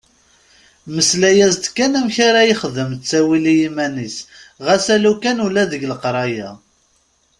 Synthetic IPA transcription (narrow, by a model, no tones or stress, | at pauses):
məslæjæzt̪kːænæmçaɾajiχəðəmt͡sːæwilijimænisʁæsælukænulæðəɡləqɾˤɑjæ